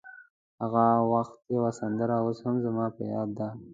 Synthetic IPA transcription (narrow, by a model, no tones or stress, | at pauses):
haɣawaxt̪jewasand̪əɾaoshamzamɑpəjɑːd̪ːa